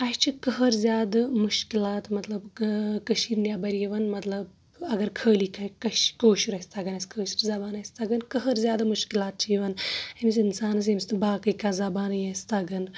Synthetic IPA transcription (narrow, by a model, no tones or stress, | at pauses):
ɐʃt͡ʃʰikɐɦɐɾzʲjaːd̪ɨmuʃkilaːt̪mɐt̪lɐbkɐʃiɾnʲjaːbɐɾijeʋɐnmɐt̪lɐb | ɐɡɐɾkʰəːlikʰɐkɐʃkoːʃiɾɐsʲt̪ʰɐɡɐnɐsʲkʰəːʃi̥ɾzɐbaːnɐsʲt̪ɐɡɐnkɐɦɐɾzʲjaːd̪ɐmuʃkilaːt̪̚t͡ʃʰijʋɐnɐmis̬ʲinsaːnɐs̬emist̪ɨbaːkɐjkazɐbaːnjɐst̪ɐɡɐn